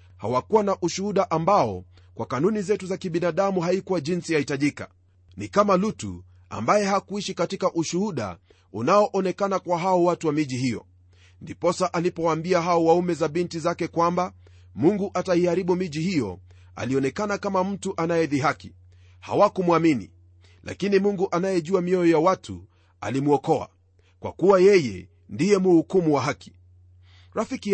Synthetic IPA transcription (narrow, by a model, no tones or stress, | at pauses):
ha̰wakuwanaʔuʃuhuɗaʔambaɔ̰ | kwakanunizɛtuzakiɓinaɗamuɦaikuwaʄinsijahitaʄika̰ | nikamalutṵ | a̰mbajɛɦakuiʃikatikaʔuʃuhuɗa̰ | unaɔʔɔnɛkanakwaɦaɔwatuwamiʄihijɔ̰ | ndipɔsaʔalipɔwambiaɦaɔwaumɛzaɓintizakɛkwamba | muŋɡuʔataihaɾiɓumiʄihijɔ̰ | a̰liɔnɛkanakamam̩tuʔanajɛðiɦaki | ha̰wakumwaminḭ | lʔa̰kinimuŋɡuʔanajɛʄuamiɔjɔjawatʰṵ | a̰limuɔkɔa̰ | kwa̰kuwajɛjɛ̰ | ndijɛmuhukumuwaɦaki̥ | ɾafiki